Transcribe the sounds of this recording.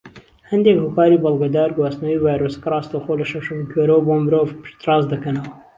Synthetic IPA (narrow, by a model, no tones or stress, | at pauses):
hɐnd̪ekhokɑːɾibɐlˠɡɐd̪ɑːɾɡuɑsnowivɑːjɾoːskrˤɑːst̪owxoːlɐʃɐʃumikʰweɾoboːmɨɾoːvpɨ̥ʃt̪rɑːzd̪ɐkɐnɐwɐ